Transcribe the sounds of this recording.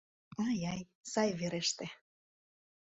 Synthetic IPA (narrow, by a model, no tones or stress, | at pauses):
ɑjɑj | sɑjveɾeʃt̪e